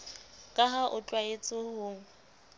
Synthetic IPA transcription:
kʼaɦaʔʊt͡ɬʼwaet͡sʼʊhʊŋ̩

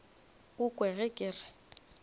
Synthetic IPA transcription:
ɣʊkʼwɛɣɛkʼɪːrɛ

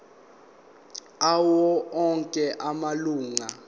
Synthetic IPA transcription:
awɔɔŋkʼɛʔamaluːŋa

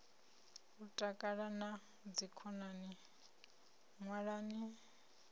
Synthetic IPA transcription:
utʼakʼaɺana | d͡zikʰɔnani | ŋwaɺaːni

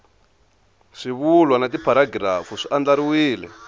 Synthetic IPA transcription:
ʂiβulwanatipʰaɾaɡɾafuʂiʔand͡ɮaɾiwiːlɛ̰

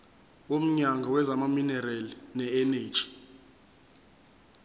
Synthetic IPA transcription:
om̩ɲaŋɡʱawɛzamaminɛrɛlinɛɛneːd̥ʒ̥ʱʼi̥

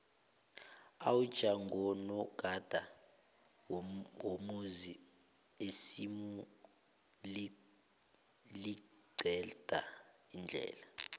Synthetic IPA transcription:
a̰wud̥ʒ̥ʱaŋɡʱɔnɔɡ̥ʱad̥ʱa | womuzi | esimu | li | li | ɡ͡ǀʱɛd̥ʱa̰ | ind͡ɮʱɛ̰ːla

